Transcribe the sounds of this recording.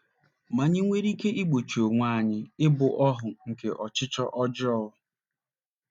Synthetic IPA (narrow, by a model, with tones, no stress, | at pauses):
ma˨ɲɪ˦ŋʷe˦ɾi˦ke˦ʔi˦ɡ͡bo˨t͡ʃo˨ŋʷa˦˨ɲɪ˦ɪ˦bʊ˨ʔɔ˦ɦʊ˨ŋ̩˨ke˨ʔɔ˨t͡ʃɪ˦t͡ʃɔ˦ʔɔ˦d͡ʒɪ˦ɔ˦ʊ˨